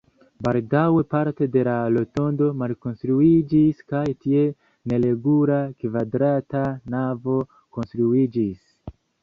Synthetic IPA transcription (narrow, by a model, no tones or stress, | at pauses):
baldawe̞paɾte̞de̞lalo̞to̞ndo̞malko̞nstɾuid͡ʒiskajtie̞ | ne̞le̞ɡulakvadɾatanavo̞ | ko̞nstɾuid͡ʒis